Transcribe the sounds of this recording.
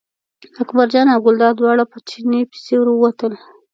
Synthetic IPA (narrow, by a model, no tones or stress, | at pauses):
akbaɾd͡ʒɑnaɡʊld̪ɑd̪wɑɽapət͡ʃinepɪ̥sewɾwəwat̪əl